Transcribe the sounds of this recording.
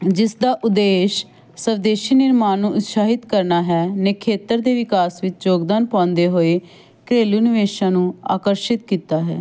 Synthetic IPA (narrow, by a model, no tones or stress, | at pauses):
d͡ʒɪsd̪aːʔʊd̪eːʃ | səʋd̪eːʃiːnɪɾmaːnũːʔʊt̪ʃaːɦɪt̪kəɾnaːɦɛːnɛːkʰeːt̪əɾd̪eːʋɪkaːsʋɪt͡ʃd͡ʒoːɡd̪aːnpãːnd̪eːɦoːeː | kɾeːluːnɪʋeːʃãːnũːa̰ːkəɾʃɪt̪̚kiːt̪aːɦɛ̰ː